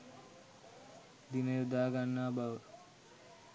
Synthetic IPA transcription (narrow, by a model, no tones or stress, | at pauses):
d̪inəjud̪aːɡanːaːbaʋə